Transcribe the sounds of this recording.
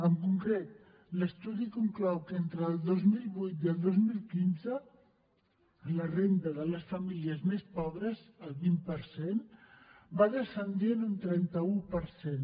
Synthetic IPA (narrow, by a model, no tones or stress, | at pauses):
əŋkuŋkɾet̪̚ | ləst̪uðikuŋklɔwkent̪ɾəːlˠd̪ozmilˠβujt̪jəlˠd̪ozmilˠkinzə | lərent̪əðələsfəmiliəzmespɔβ̞ɾəzəlˠβimpəɾsen | baðəsənd̪jenunt̪ɾɛnt̪əupəɾsen